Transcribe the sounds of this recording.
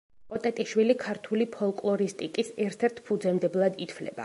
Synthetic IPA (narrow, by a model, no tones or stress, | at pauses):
pʼɔt̪ʼɛt̪ʼiʃwilikʰaɾt̪ʰulipʰɔlˠkʼlˠɔɾist̪ʼikʼisɛɾt̪ʰɛɾt̪ʰpʰud̪zɛmd̪ɛblˠad̪it̪ʰflɛ̰ba̰